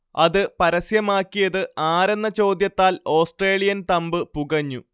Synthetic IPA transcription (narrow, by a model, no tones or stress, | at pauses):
ɐðɨpɐɾɐsjɐmaːkːijɐðɨaːɾenːɐt͡ɕo̞ːd̪jɐt̪ːaːlo̞ːsʈre̞ːlijɐnt̪ɐmbɨpuɣɐɲːu